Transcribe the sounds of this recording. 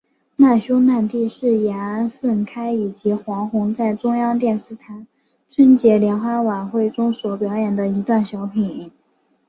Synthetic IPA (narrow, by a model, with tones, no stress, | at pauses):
na˥˩ɕjʊ˥ʊna˥˧nt̪i˥˧ʂɻ̩˥˩jɛ˧˥a˧˥nfə˥˩nkʰa˥ɪi˨˩t͡ɕi˧˥xwɑ˧˥ŋxʊ˧˥ŋt͡sa˥˩ɪʈ͡ʂʊ˥ŋjɑ˥ŋt̪jɛ˥˧nʂɻ̩˥˩t̪ʰa˧˥n | t͡sʰə˥nt͡ɕjɛ˧˥ljɛ˧˥nxwa˥wa˨˩nxwe˥˩ɪʈ͡ʂʊ˥ŋswɔ˨˩pjɑ˧˥ʊjɛ˨˩nd̪ə˦i˧˥t̪wa˥˩nɕjɑ˧˥ʊpʰi˧˨˩n